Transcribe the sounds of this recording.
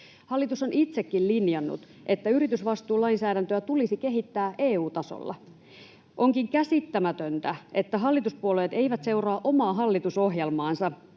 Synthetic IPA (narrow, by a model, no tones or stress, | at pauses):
hɑlːit̪uso̞nit̪se̞kːillinjɑnːṵt̪ | ʔe̞t̪ːæyɾit̪ysʋɑst̪uːlɑinsæːɾænt̪øæt̪ulisike̞ɦit̪ːæːʔeːuːt̪ɑso̰lːɑ̰ | ʔo̞ŋkiŋkæsit̪ːæmæt̪ønt̪æe̞t̪ːæɦɑlːit̪uspuoleːt̪e̞jʋæt̪se̞urɑːʔo̞mɑːɦɑlːit̪uso̞ɦjelmɑːnsɑ